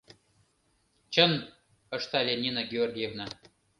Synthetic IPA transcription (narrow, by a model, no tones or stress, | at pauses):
t͡ɕən | ə̆ʂt̪alʲenʲinaɡʲɪorɡʲijevna